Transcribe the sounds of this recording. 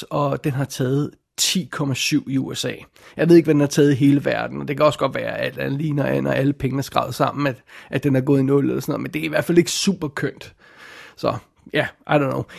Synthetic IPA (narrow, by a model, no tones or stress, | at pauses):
ɒ̽d̥enɦɑ̈t͡sʰɛːð̞̩ˠ | t͡sʰḭːkʰɒ̽mæsyʊ̰iuesɛ̰ː | jɑ̈ɪe̝ðˠe̝ɡ̥ʋæd̥enhɑ̈t͡sʰɛːð̩ˠiɦe̝ːləʋæɐd̥n̩ɒ̽d̥e̝kʰæɒ̽sɡ̥ɒ̽d̥ʋæːɐæl̰d̥æn̩ˠliːnɒæn̰ɒʔæləpʰeŋənæɐsɡ̥ʁɑ̈ʊð̩ˠsɑ̈m̰n̩æ̥ʔæd̥enhɑɐɡɔ̽ːð̞̩ˠinɔ̽ll̰sɒnɔ̽ð̩̰ˠmend̥e̝æɐiʋæɐ̰̥fæle̝ɡ̥ə̥sṵb̥ɐkʰøn̰d̥ | sɒ̽ | jæʔɑ̈ɪɾɒnːoʊ